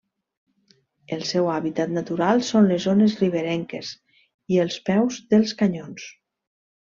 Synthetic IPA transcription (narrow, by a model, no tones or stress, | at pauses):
əlˠsɛwaβit̪at̪nat̪uɾalˠsonlezonezriβ̞eɾɛŋkez | iəlˠspɛwzðəlˠskaɲons